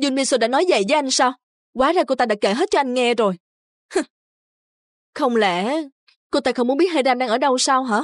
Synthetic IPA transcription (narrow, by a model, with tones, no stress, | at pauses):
zu˧nɓi˧nsoː˧˩ɗa̰ː˧˥nɔ˨˦jvə̰˧˨jvəː˨˦jʔa˧jŋ̟saː˧w | waː˨˦zaː˧ko˧t̪aː˧ɗa̰ː˧˥ke˧˩ɦe˦˥t̚t͡ɕɔ˧ʔa˧jŋ̟ŋɛ˧zo˨˩j | h | xə˧wŋ͡mlɛ̰˧˩ | ko˧t̪aː˧xə˧wŋ͡mu˨˦ənɓi˦˥ət̚haː˧˨zaː˧mɗaː˧ŋʔəː˧˩ɗə˧wsaː˧wɦaː˧˥